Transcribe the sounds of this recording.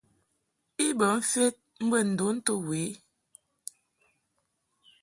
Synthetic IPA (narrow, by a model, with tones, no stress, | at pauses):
i˦bə˨˦m̩˦fe˦t̚ | m̩˦bə˦˨n̩˨do˨˦n̩˦to˦˨we˨˦